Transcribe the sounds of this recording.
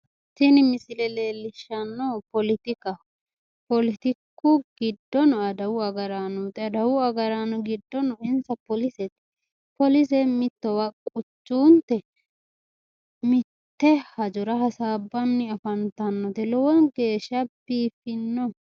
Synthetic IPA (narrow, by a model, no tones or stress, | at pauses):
sɪnɪmɪsɪlɛle̞ːlːɪʃːɐnːɔpɔlɪt̪ɪkɐ | pɔlɪt̪ɪkːʊɡ̥ɪd̪ːɔnɔɐd̪ɐwʊɐɡɐɾanɔt̪ɛɐd̪ɐwʊɐɡɐɾanɔɡɪd̪ːɔnɔɪnsɐpɔlɪsɛt̪ | pɔlɪs̬ɛmɪt̪ːɔwɐkʼʊt͡ʃːuːnt̪ɛ | mɪt̪ːɛhɐd͡ʒʊɾɐhɐsaːbːɐnːɪɐfɐnt̪ɐnːɔt̪ɛlɔwɔnɡe̞ːʃːɐbiːfɪnːɔ